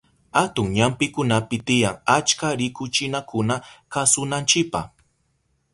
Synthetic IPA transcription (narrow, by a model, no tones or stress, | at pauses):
hat̪ʊŋɲampɪkʊnapɪt̪ɪjaŋat͡ʃkaɾɪkʊt͡ʃɪnakʊnakasʊnant͡ʃɪk̚pa̰